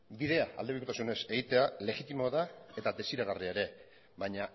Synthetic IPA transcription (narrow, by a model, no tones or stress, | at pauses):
biðe̞aa̰ld̪eikut̪asune̞se̞ɣ̞it̪e̞ale̞ɣit̪imoaðae̞t̪ad̪e̞siɾaɣariaeɾe̞ | βaɲa